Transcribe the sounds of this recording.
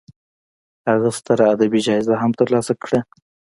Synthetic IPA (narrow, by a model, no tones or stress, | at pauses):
haɣast̪əɾaːd̪abid͡ʒɑɪzaɦamt̪əɾlɑsakɽə